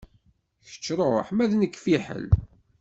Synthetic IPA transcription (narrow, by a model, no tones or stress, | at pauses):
çə̥t͡ʃːɾˤoħmæðnəkːfiħə̰l